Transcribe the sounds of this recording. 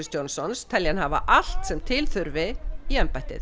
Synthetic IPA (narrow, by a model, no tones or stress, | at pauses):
ɪst̪jownsɔnst̪ʰɛljanhava̰ʔal̥t̪sɛmt̪ʰɪlθʏɾvɪiɛmpajht̪ɪ̰θ